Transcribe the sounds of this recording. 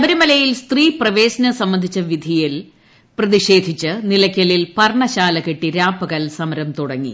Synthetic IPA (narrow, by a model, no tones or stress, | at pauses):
ɐbɐɾumɐlɐjilst̪riːprɐʋe̞ːsɐnɐsɐmːɐnd̪ʱit͡ɕːɐʋid̪ʱijil | prɐðiʂe̞ːd̪ʱit͡ɕːɨnilɐkʲːɐlilpɐrɳɐɕaːlɐkeʈːiɾaːpɐɣɐlsɐmɐɾɐmt̪uɽɐŋːḭ